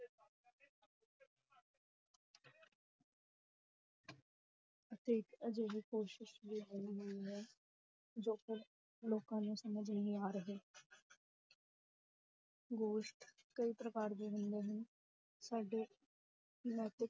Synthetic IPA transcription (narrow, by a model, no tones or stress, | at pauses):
ət̪eːkəd͡ʒeːɦiːkoːʃɪʃʋiːɦõnd̪iɦɛː | d͡ʒoːkɪɾ | loːkãːnũːsəməd͡ʒniaːɾəɦeː | ɡoːʃʈkəiːpɾəkaːɾd̪eːɦʊnd̪eːɦən | saːɖeː | nɛːt̪ɪk̚